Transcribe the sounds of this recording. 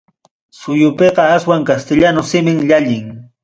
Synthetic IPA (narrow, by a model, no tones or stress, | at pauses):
sʊjʊpeqɑaswaŋkast̪ɪʎanʊsɪmɪŋʎaʎɪŋ